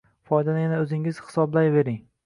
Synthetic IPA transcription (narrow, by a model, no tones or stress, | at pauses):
fɒjd̪anajʲanaɵzɪŋɪz̥hɪ̥sɒblajve̞ɾɪŋ